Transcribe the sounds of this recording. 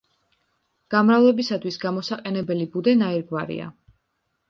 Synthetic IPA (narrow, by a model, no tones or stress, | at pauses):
ɡ̥amɾavlˠɛbisat̪ʰwisɡamɔsaqʼɛnɛbɛlibud̪ɛnaiɾɡvaɾḭa̰